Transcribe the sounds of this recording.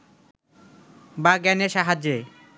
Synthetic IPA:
baɡɛneʃaɦad͡ʑe

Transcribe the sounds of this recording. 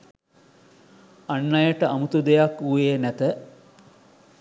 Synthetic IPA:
anːɐjəʈəamut̪ud̪ejakuʋeːnæt̪ə

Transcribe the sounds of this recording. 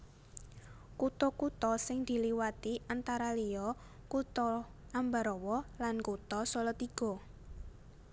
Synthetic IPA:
kut̪ɔkut̪ɔsɪŋd̪̥i̤liwat̪iʔant̪aɾalijɔ | kut̪ɔʔambaɾɔwɔlankut̪ɔsɔlɔt̪iɡ̥ɔ̤

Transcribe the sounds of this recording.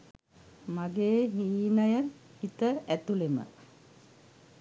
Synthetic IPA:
maɡeːɦiːnəjəhit̪əæt̪ulemə̰

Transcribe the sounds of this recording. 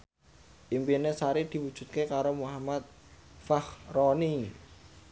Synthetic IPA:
ʔimpinesaɾid̪̥i̤wu̥ʒ̥ṳt̪̚kekaɾomuɦamat̪̚ | fahrɔni

